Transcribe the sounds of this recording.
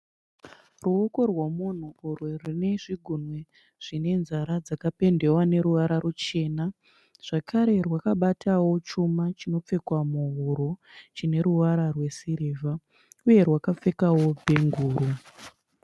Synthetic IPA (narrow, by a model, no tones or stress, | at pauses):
ruoko̞rwamun̤uːrwerine̞ʐiɡʱunwe | ʐ̥ine̞nzaɾad͡zakape̞nde̞wane̞ɾuʋaɾarut͡ʃe̞ːna | ʐ̥akʰaɾe̞rwakaɓatʰawo̞t͡ʃumat͡ʃino̞p͡fe̞kwamuɦuɾot͡ʃine̞ɾuʋaɾarwe̞siɾeːva | uje̞rwakap͡fe̞kawo̞bʱe̞ŋɡuːɾu